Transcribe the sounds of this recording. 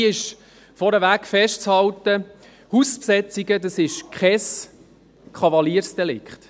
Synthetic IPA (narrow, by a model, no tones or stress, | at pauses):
ɪʃ | fɔɾəʋæːkfɛʃtt͡shɑlt̪ə | huspsɛt͡siɡəd̪ɑsɪʃkχɛs | kχɑvɑliːəɾsd̥ɛlɪ̰kχt̪